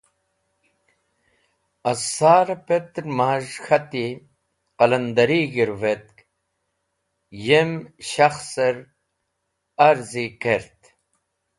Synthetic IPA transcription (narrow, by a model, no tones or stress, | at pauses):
ɐsaːɾɐpet̪ɾmaːʒxɐt̪i | qɐlɐnd̪ɐɾiːɡiɾvet̪̚k | jemɕaxseɾ | ɐɾzikeɾt̪